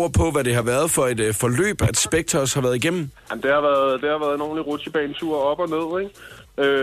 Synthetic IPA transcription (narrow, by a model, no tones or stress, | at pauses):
ɐpʰɒ̽ʋæɾ̥e̝ɦɑ̈ʋæːɐð̞ˠfɒ̽e̝d̥fɒ̽lø̰ːb̥æd̥sb̥eɡ̥̚t͡sʰʁɐshɑ̈ʋæɐð̞̩ˠiɡ̥em̰m̩jam̩d̥e̝ɑ̈ʋæːɐðˠd̥e̝hɑ̈ʋæːɐðˠno̝ːnliʁot͡sʰib̥ɛ̰ːnt͡sʰuɐɒ̽b̥ɒ̽ne̝ð̞̰ˠeɡ̥ø